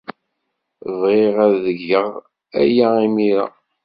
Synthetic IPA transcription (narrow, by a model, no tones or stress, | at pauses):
ðˤeʁæðəʝːəʁ | æ̰jæimiɾa̰